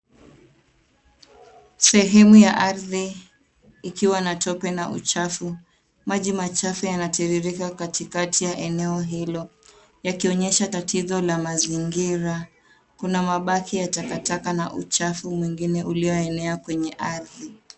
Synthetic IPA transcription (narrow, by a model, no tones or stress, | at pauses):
sɛɦɛmujaʔaɾðiː | kiwanatɔpɛnaʔṵt͡ʃafu | maʄimat͡ʃafɛjanatɛɾiɾikakatikatijaʔɛnɛɔɦilɔ | jakiɔɲɛʃatatʰizɔlamaziŋɡiɾa | kunamaɓakʰijatakatakana̰ʔṵt͡ʃafumwiŋɡinɛʔuliɔɛnɛakwɛɲɛʔaɾði